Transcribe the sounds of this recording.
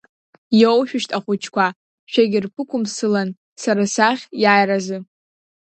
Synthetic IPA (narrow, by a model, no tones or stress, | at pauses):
jowʃᶣʊʃtʼaχʷʊt͡ʃʰkʷʰa | ʃᶣaɡʲɪrpʰɨkʷʊmsɨlan | saɾasaχʲjajrazɨ